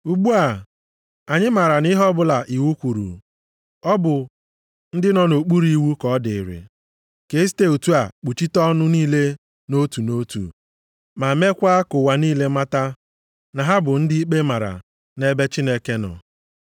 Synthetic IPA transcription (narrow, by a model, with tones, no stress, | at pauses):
u˨ɡ͡bu˦a˨ | a˨ɲɪ˦ma˨ɾa˨ni˦ɦɔ˦bʊ˦la˨ʔi˨wu˦kʷu˨ɾṵ˨ | ɔ˦bʊ˨ | n̩˦dɪ˦nɔ˨no˨k͡pu˦ɾi˦wu˦kɔ˨˦dɪ˨ɪ˨ɾɪ̰˨ | ke˨˦ste˦u˨tu˦a˨k͡pu˨t͡ʃi˦tɔ˦nʊ˦niː˦le˦ | no˦tu˨no˦tṵ˨ | ma˨me˦kʷa˦kʊ˨wa˨niː˦le˦ma˦ta˦ | na˨ɦa˦bʊ˨n̩˦dɪ˦i˦k͡pe˦ma˨ɾa̰˨ | ne˦be˦t͡ʃi˦ne˦ke˦nɔ̰˨